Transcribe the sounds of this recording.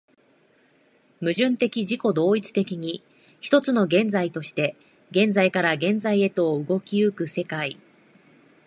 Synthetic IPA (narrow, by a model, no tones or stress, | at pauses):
mɯ̟ʑɨ̃nt̪e̞kʲiʑiko̞d̪o̞ːit͡sɨ̥t̪e̞kʲiɲ̟i | çi̥t̪o̞t͡sɨno̞ɡẽ̞nd͡zait̪o̞ɕi̥t̪e̞ | ɡẽ̞nd͡zaikaɾaɡẽ̞nd͡zaie̞t̪o̞ːɯ̟ɡo̞kʲiɯ̟kɯ̟se̞kai